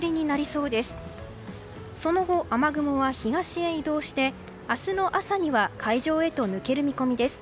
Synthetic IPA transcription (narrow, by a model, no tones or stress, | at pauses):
ɾʲiɲ̟inaɾʲiso̞ːd̪e̞sɨ̥ | so̞no̞ɡo̞ʔamaɡɯ̟moβaçiɡaɕieid̪o̞ːɕi̥t̪e̞ | asɨno̞ʔasaɲ̟iβakʰaiʑo̞ːe̞t̪o̞nɯ̟ke̞ɾɯ̟mʲiko̞mʲid̪e̞sɨ̥